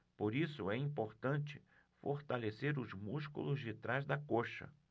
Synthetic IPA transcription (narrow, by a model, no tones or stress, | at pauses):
poɾisʊɛĩpoɾt̪ɐ̃nt͡ʃɪ | foɾt̪aleseɾʊzmuskṵlʊzd͡ʒɪt̪ɾazd̪ɐkoʃɐ̰